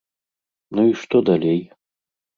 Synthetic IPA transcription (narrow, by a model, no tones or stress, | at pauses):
nuiʂt̪ɔd̪ɐlʲej